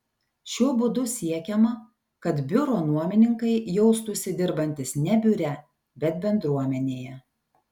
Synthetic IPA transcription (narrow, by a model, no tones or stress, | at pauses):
ʃʲuɔbʊd̪ʊsʲiɛkʲɛmɐ | kɐt̪bʲʊɾoːnuɔmʲɪnʲɪŋkɐɪjɛʊst̪ʊsʲɪd̪ʲɪɾbɐnʲt̪ʲɪsnʲɛbʲʊɾʲɛ | bʲɛt̪̚bʲɛnd̪ɾuɔmʲɛnʲeːjɛ